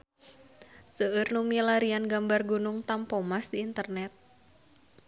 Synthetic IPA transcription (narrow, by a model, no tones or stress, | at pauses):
səərnumilaɾianɡambarɡunʊŋt̪ampomasdiːnt̪ərnɛt̪̚